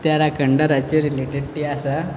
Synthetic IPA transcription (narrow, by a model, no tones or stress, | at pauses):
t̪jaɾakəɳɖəɾat͡ɕeɾileʈeɽʈiasa